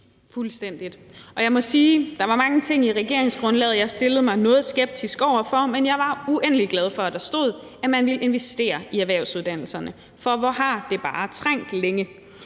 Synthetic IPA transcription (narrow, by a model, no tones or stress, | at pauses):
fulsd̥en̰d̥id̥ʔɒ̽jɑ̈ɪmɒ̽siːd̥ɑ̈ʋɑ̈mɑ̈ŋət͡sʰe̝ŋ̰iʁɛɡ̥e̝̰ɐ̰e̝ŋsɡ̥ʁɔ̽nlɛ̰ːð̞̩ˠjɑ̈ɪsd̥e̝lð̩ˠmɑ̈ɪnɔ̽ːð̞̩ˠsɡ̥eb̥̚d̥ʰisɡ̥ɒʊ̰ɐfɒ̽menjɑ̈ɪʋɑ̈uʔen̰əliɡ̥lɛð̞ˠfɒ̽æd̥ɑ̈sd̥oð̞̰ˠ | æmænʋilʔe̝nʋesd̥e̝̰ːɐiæʋæɐ̰ʊsuð̞ˠd̥æn̰l̩sɐnə | fɒ̽ʋɒɦɑ̈d̥e̝b̥ɑ̈ːt͡sʰʁaŋ̰d̥leŋə